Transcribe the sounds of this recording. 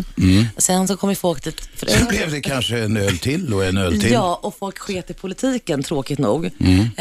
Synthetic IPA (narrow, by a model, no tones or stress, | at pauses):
ɔsɛnsɔkʰɔmːəjfɔlk̚d̪̥ʰiːt̪fœɾɛblɛvd̪ɛkʰanʂəɛnøːlt̪ʰɪlːɔɛnøːlt̪ʰɪjɑːʔɔfɔlkɧeːt̪ɪpʰʊlɪt̪ʰiːkənt̪ʰɾoːkɪt̪nṵːɡ